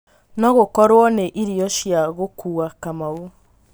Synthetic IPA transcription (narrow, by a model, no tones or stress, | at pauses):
nɔɣokɔɾwɔneʔiɾiɔʃjaɣokʰuakamau